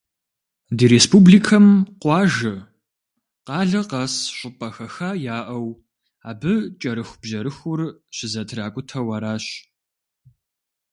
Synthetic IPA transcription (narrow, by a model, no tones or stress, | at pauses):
diːɾespuːbliːkʰɐmqʷɑːʒɐ | qɑːɮɐqɐsɕʷʼʊpʼɐxɐxaːjaːʔɐw | aːbɨt͡ʃʼɐɾɨxʷbʑɐɾɨxʊrɕɪzɐtʰraːkʷʼʊtʰɐwɐɾaːɕ